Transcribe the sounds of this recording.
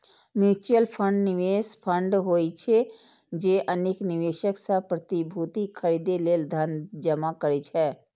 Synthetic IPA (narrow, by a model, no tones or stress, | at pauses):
muːt͡ʃəlpʰə̃ɳɖnɪʋeːspʰə̃ɳɖɦoːit͡ʃʰe | d͡ʒeːʔəneknɪʋeːʃəksapɾət̪ibʱuːt̪ikʰəɾiːd̪eleːld̪ʱɐnd͡ʒɐmakəɾit͡ʃʰɛː